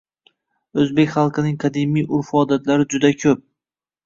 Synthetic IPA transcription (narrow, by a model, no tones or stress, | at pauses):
ɵzbe̞kʲχɑlˠqʰɨnɪŋqʰɑd̪imːijʔʊɾfɒd̪at̪laɾɪd͡ʒʊd̪akʲʰɵp̚